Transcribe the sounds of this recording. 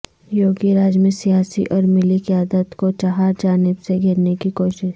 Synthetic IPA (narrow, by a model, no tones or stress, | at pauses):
joːɡiɾaːd͡ʒmẽsijaːsḭʔɔːɾmɪlikiaːd̪ət̪kot͡ʃaɦaːɾd͡ʒaːnɪbseɡʱɪɾnekikoːʃɪʃ